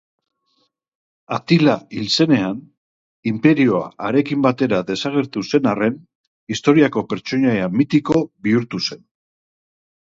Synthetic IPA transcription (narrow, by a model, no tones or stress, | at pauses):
at̪ilailse̞ne̞an | impe̞ɾio̞a̰ːɾe̞kimbat̪e̞ɾaðe̞saɣe̞ɾt̪use̞nare̞n | ist̪o̞ɾiako̞pe̞ɾt͡ʃo̞ɲajamit̪iko̞βiuɾt̪use̞n